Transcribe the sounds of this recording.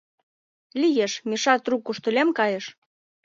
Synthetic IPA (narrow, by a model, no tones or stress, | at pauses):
lʲijeʃmʲiʃɑt̪rukːuʃt̪ə̆lʲemkɑjeʃ